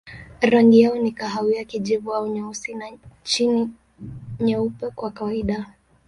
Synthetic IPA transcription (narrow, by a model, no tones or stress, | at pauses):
ɾaŋɡijaɔnikaɦawiakid͡ʒivuaɔɲausinat͡ʃini | ɲaupɛkwakawaiɗa